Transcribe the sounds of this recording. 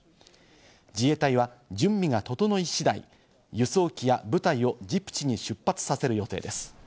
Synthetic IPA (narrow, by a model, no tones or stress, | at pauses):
d͡ʑie̞t̪aiβ̞ad͡ʑɨ̃mːʲiɡat̪o̞t̪o̞no̞iɕid̪aḭ | jɯ̟so̞ːkʲijabɯ̟t̪aio̞d͡ʑipɯ̥t͡ɕiɲ̟iɕɨpːat͡sɨ̥sase̞ɾɯ̟jo̞t̪e̞ːd̪e̞sɨ̥